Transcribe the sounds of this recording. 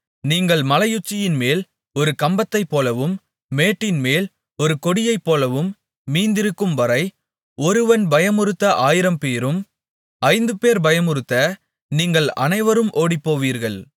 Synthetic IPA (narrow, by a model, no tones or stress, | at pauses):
niːŋɡɐɭmɐlɐjʊt͡ʃːɪjɪnmeːl | ɔɾɯkɐmbɐt̪ːɐɪpːoːlɐʋɯmː | eːʈːɪnmeːl | ɔɾɯkɔɽɪjɐɪpːoːlɐʋɯmː | iːnd̪ɪɾɯkːɯmʋɐɾɐɪ | ɔɾɯʋɐnbɐjɐmɯɾɯt̪ːɐʔaːjɪɾɐmpeːɾɯm | ɐɪnd̪ɯpeːɾbɐjɐmʊɾɯt̪ːɐ | niːŋɡɐɭɐ̰nɐɪʋɐɾɯmʔoːɽipːoːʋiːɾɣɐɭ